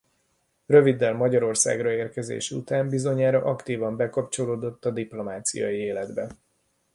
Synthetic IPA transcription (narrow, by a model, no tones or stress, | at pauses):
røvid̪ːɛlmɒɟɒɾo̞rsa̰ːɡrɒeːrkɛzḛːʃṵt̪aːmbizo̞ɲaːɾɒʔɒkt̪iːvɒmbɛkɒpt͡ʃo̞loːd̪o̞t̪ːɒd̪iplo̞maːt̪sḭjɒ̰jieːlɛd̪bɛ